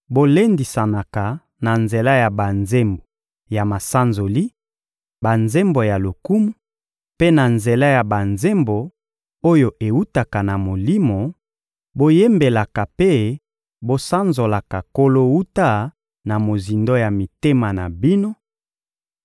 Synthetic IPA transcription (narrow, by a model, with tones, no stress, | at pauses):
bo˦le˦ndi˨sa˨na˨ka˨ | na˨nze˨la˦ja˨ba˨nze˦mbo˨ | ja˨ma˨sa˦nzo˨li˦ | ba˨nze˦mbo˨ja˨lo˨ku˦mu˦ | pe˦na˨nze˨la˦ja˨ba˨nze˦mbo˨ | o˦jo˨ʔe˨wu˦ta˨ka˨na˨mo˨li˦mo˨ | bo˦je˦mbe˨la˨ka˨pe˦ | bo˦sa˦nzo˨la˨ka˨ko˦lo˦wu˦ta˦ | na˨mo˨zi˨ndo˦ja˨mi˨te˦ma˨na˨bi˦no˦